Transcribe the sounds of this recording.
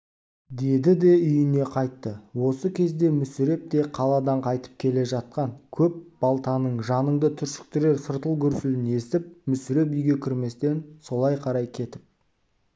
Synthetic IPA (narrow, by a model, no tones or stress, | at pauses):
d̪e̞d̪ɪd̪e̞ʏjɪne̞qʰɑjt̪ːəwo̞səkʲʰe̞zd̪e̞mʏsɪɾe̞p̚t̪e̞qʰɑlˠɑd̪ɑɴqʰɑjt̪ə̥p̚kʲʰe̞le̞ʒɑt̪̚qɑŋkʲʰɵp̚b̥ɑlˠt̪ɑnəɴʒɑnəɴd̪ət̪ʰʏɾʃɪ̥k̚t̪ɪɾe̞ɾsəɾt̪əlˠɡʰʲʏɾsɪlɪne̞st̪ɪp̚mʏsɪɾe̞p̬ʏjɡʲe̞kʲʰʏɾme̞st̪e̞nso̞lˠɑjqʰɑɾɑjkʲʰe̞t̪ɪp̚